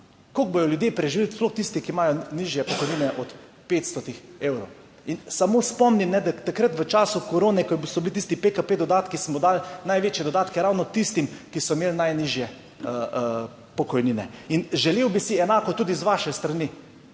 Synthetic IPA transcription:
koɡ̚bojɔljud̪jeːpɾɛʒiʋilsploxt̪ist̪ikimaːjɔniːʒjɛpɔkɔjniːnɛʔɔt̪ | peːt̪st̪ɔt̪ixeːwɾow | insamoːspɔmnimnɛd̪at̪akɾət̪ʋət͡ʃaːsukoɾoːnɛkɔbsɔbilit̪ist̪ipekapeːd̪ɔd̪aːt̪kismɔd̪aːlnajʋeːt͡ʃjɛd̪ɔd̪aːt̪kɛɾaːwnɔt̪ist̪imkisɔmeːlnajniːʒjɛ | ə | pɔkɔjniːnɛinʒɛleːwbisiɛnaːkɔt̪uːd̪izʋaːʃɛst̪ɾani

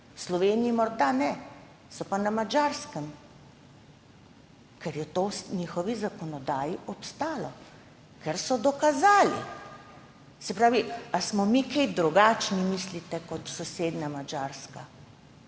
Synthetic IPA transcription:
slɔʋeːniimɔɾd̪anɛ | sɔpanamad͡ʒaːɾskəm | kɛɾjɛt̪oːsɲiːxɔʋizakɔnɔd̪aːjiʔɔpst̪aːlɔ | kɛɾsɔd̪ɔkazaːlḭ | sɛpɾaːʋiasmɔmikɛjd̪ɾuɡaːt͡ʃnimislit̪ɛkɔt̪sɔseːd̪namad͡ʒaːɾska

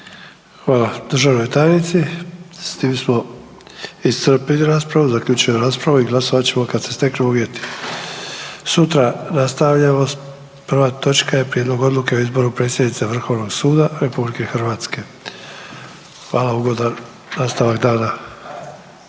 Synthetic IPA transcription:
xʋaːlad̪r̩ʒaʋno̞jt̪ajenit̪sist̪iːmsmo̞ | ist̪r̩piliɾaːspɾaʋuzaklʎuːt͡ʃujemoɾaːspɾaʋuiɡlˠasoʋat͡ɕe̞mo̞kad̪se̞st̪e̞knuuʋʲje̞t̪i̥ | sut̪ɾanast̪aʋʎamo̞ | pr̩ʋat̪o̞t͡ʃkaje̞pɾije̞d̪lo̞ɡo̞d̪luke̞oizbo̞ɾupɾe̞ːt̪sjed̪nit̪seʋr̩xo̞ʋno̞ɡsuːd̪aɾe̞publike̞xr̩ʋaːt̪ske̞ | xʋaːlauɡo̞d̪a | naːst̪aʋakd̪aːna

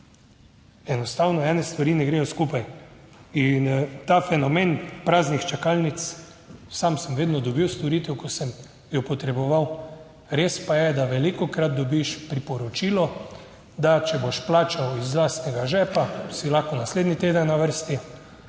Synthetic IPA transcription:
ɛnɔst̪awnɔɛːnɛst̪ʋaɾiːnɛɡɾeːjɔskuːpaj | int̪afɛnɔmenpɾaːznixt͡ʃɛkalnit̪s | samsəmʋeːd̪nɔd̪ɔbiwst̪ɔɾit̪ɛwkɔsəm | jɔpɔt̪ɾɛbɔʋaw | ɾespajɛd̪aʋɛlikɔkɾat̪̚d̪ɔbiʃpɾipɔɾɔt͡ʃiːlɔ | d̪at͡ʃɛboʃplaːt͡ʃawizlast̪nɛɡaʒɛpasilaxkɔnasleːd̪nit̪eːd̪ənːaʋəɾst̪i

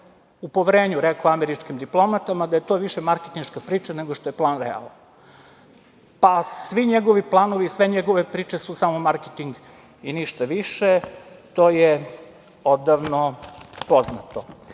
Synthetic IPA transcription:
upoʋɾeːɲuɾekoameɾit͡ʃkimd̪iplˠo̞mat̪amad̪aje̞t̪o̞ʋiʃemaɾket̪inʃkapɾiːt͡ʃaneɡoʃt̪o̞je̞plˠaːnɾɛ̰a̰lˠn | pasʋiɲeɡo̞ʋiplˠano̞ʋiːsʋe̞ɲeɡoʋe̞pɾiːt͡ʃe̞susamo̞maɾket̪iŋɡ | iniʃt̪aʋiʃet̪o̞ːje | od̪aʋnopoznat̪o

